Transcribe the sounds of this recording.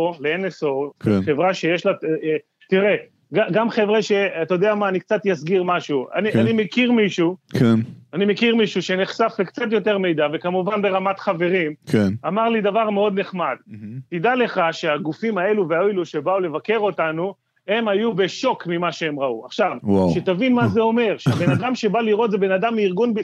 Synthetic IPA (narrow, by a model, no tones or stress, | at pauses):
oleenesokχevʁaʃe̞jeʃla | tiʁe | ɡaɡamχevʁeʃe̞at̪aod̪eamaːnikt͡sat̪jasɡiʁmaʃua̰nianimekiʁmiʃukʰenanimekiʁmiʃuʃeneχsafekt͡sat̬jo̞te̞ʁme̞jd̪ave̞kamuvanbe̞ʁamatχave̞ʁimkʰenamaʁlid̪avaʁme̞o̞d̪neχmad̪tidale̞χaʃe̞aɡufimae̞luveaeluʃe̞baule̞vake̞ʁo̞tanu | e̞majube̞ʃo̞kmimaʃeemʁauaχʃavwaʃetavinmazeo̞me̞ʁʃeabe̞nnad̪amʃe̞baliʁo̞t̪zebe̞nadamːiʁɡunbe